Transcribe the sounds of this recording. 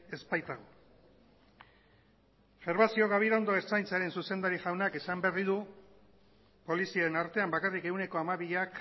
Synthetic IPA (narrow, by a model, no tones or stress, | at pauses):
e̞spajt̪aɣ̞o | fe̞ɾβasio̞ɣaβ̞iɾond̪o̞e̞st͡sajnt͡saɾe̞nsuse̞nd̪aɾiʝawnakesamberiðu | po̞lisiaenaɾt̪e̞ambakarike̞wne̞ko̞amaβiʎak